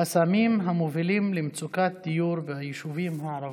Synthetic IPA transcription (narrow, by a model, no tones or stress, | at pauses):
asamimɦamovilimlemt͡sukat̪̚d̪̥ijuɾvehajiʃuvimɦaːɾav